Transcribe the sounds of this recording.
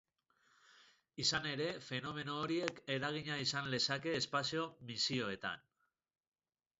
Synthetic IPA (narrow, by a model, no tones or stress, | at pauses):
isane̞ɾe̞fe̞no̞me̞no̞ːɾie̞ke̞ɾaɣ̞iɲaisanle̞sake̞ːspasio̞misio̞e̞t̪a̰n